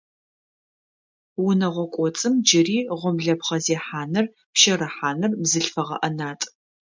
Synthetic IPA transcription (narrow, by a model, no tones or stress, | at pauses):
wʊnɐʁʷɔkʷʼɔt͡sʼɨmd͡ʒɪriːʁʷɔmɮɐpχɐzeːħaːnɨr | pʃɐɾɐħaːnɨrbzɨɬfɐʁɐ̰ʔɐnaːtʼ